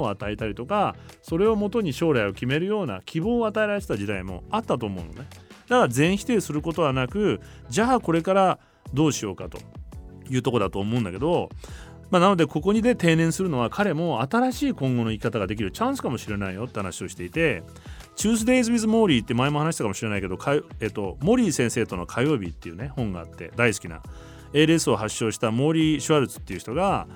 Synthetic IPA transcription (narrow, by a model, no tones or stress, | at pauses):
oat̪aet̪aɾʲit̪o̞kaso̞ɾe̞o̞mo̞t̪o̞ɲ̟iɕo̞ːɾaio̞kʲime̞ɾɯ̟jo̞ːna̰kʲʰibo̞ːat̪aeɾaɾe̞t̪et̪ad͡ʑid̪aimo̞̰at̪ːat̪o̞ːmo̞ɯ̰̃no̰ned̪akaɾazẽ̞ɰ̃çi̥t̪e̞ːsɨɾɯ̟ko̞t̪o̞βanakɯ̟d͡ʑaːko̞ɾe̞kaɾa | d̪o̞ːɕio̞ːkat̪o̞̥̰jɯ̟ːt̪o̞kod̪at̪o̞ːmo̞ɯ̟̃nd̪ake̞d̪o̞ | manano̞d̪e̞ko̞ko̞ɲ̟id̪e̞t̪e̞ːnẽ̞ɰ̃sɨɾɯ̟no̞βakʰaɾe̞mo̞at̪aɾaɕiːkõ̞ŋɡo̞no̞ikʲi̥kat̪aɡad̪ekʲiɾɯ̟t͡ɕãɰ̃sɨ̥kamo̞ɕiɾe̞naijo̞t̪ːe̞hanaɕio̞ɕi̥t̪e̞it̪e̞ | t͡ɕɨːs̬ɨd̪e̞izɨβizɨmo̞ːɾʲiːt̪ːemaemo̞hanaɕi̥t̪akamo̞ɕiɾe̞naike̞d̪o̞kʰajeːt̪ːo̞mo̞ɾʲiːsẽɰ̃se̞ːt̪o̞no̞kʰajo̞ːbʲit̪ːe̞jɯ̟ne̞hõ̞ŋɡa̰ːt̪ːe̞̰d̪aisɨ̥kʲina̰ | e̞ːɾesɨo̞ɦaɕːo̞ːɕi̥t̪amo̞ɾʲiːɕɨβaɾɯt͡sɨ̥t̪ːe̞iɯ̟çi̥t̪o̞ɡa